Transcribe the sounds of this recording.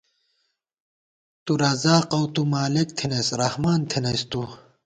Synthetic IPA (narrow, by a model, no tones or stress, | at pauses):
t̪uɾɐzaːqɐwt̪umaːlek̚t̪ʰinɐsɾɐhmaːnt̪ʰinɐst̪u